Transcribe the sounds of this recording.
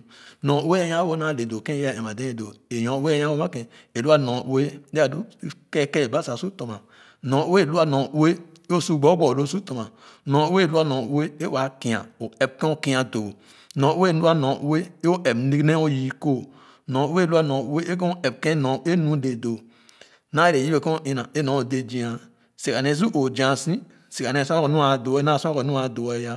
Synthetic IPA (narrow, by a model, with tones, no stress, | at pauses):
nõ˨˦we˦e˦ja˦wo˦na˦˨le˨do˨kẽ˦a˦˨e˨ma˨dẽ˦e˨do˨e˨jõ˨˦we˦e˦ja˦wo˦ma˦kẽ˨e˨lu˦a˦nõ˨ʔu˦e˦ddo˦ke˦˨ke˦˨ba˦sa˨su˦to˨ma˨ | nõ˨˦we˦˨lu˦a˦nõ˨u˦e˦ | o˦su˦ɡ͡bo˦ɡ͡bo˨lo˦˨su˦to˨ma˨nõ˨˦we˦˨lu˦a˦nõ˨˦e˦e˦wa˨ki˨a̰˨o˨e˨b̚kẽ˦o˦ki˦a˨do˨ | nõ˨˦e˦˨lu˦a˦nõ˨ʔu˦we˦o˦ʔe˨bni˦ne˦o˦ji˦ko˦˨ | nõ˨u˦e˦lu˦a˦nõ˨u˦e˦e˦k̬ɔ̃˦e˨b̚kẽ˦nõ˨˦e˦nũ˦de˨do˨ | na˦e˦e˨ji˦e˦˨kõ˦i˦na˨e˦nõ˨˦o˨de˦d͡ʒi˦ã˨ | si˨ka˨ne˨˦z̬u˦ʔo˨d͡ʒã˨sĩ˦ | si˨ka˨ne˨su˦a˦ko˨nu˦a˨do˨e˦na˦˨su˦a˦ko˨nũ˦a˨do˨e˦ja˦